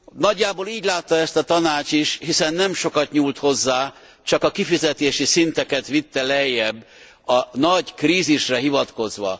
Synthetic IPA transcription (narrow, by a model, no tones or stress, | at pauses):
nɒɟːaːboliːɟlaːt̪ːɒɛst̪ɒt̪ɒnaːt͡ʃiʃhisɛnːɛmʃo̞kɒt̪ɲuːlt̪ho̞zːaː | t͡ʃɒkɒkifizɛt̪eːʃisint̪ɛkɛt̪ʋit̪ːɛlɛjːɛbː | ɒnɒɟkriːziʃrɛɦivɒt̪ko̞zʋɒ̰